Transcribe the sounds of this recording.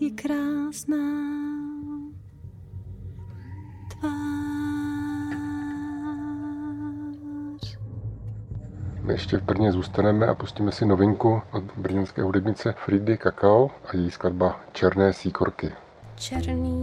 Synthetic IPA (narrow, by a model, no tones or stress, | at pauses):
jɛkɾaːsnaː | t̪vaː | r̥ | mɪ̰ɛʃcɛvbr̩ɲɛzuːst̪anɛmɛʔa̰pusciːmɛsɪno̞vɪŋkuʔot̪br̩ɲɛnskɛ̰ːɦudɛbɲɪt͡sɛfɾiːdɪkakaoʔajɛjiskladbat͡ʃɛɾnɛːsiːkoɾkɪ | t͡ʃɛɾniː